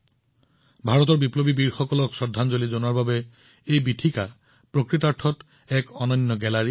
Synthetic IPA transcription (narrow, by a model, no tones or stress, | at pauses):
bʱaɹɔtɔɹbiplobibiɹxɔkɔlɔksɔdʱːanzolizonuwaɹbabɛ | ejbitʰika | pɹokɹitaɹʈʰɔt | ɛkɔnɔjnːɔɡɛlaɹi